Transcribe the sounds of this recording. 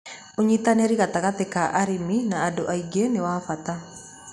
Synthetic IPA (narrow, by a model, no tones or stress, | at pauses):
oɲit̪aneɾiɣat̪aɣat̪ekaʔaɾiminaːdoʔaiɡenewafat̪a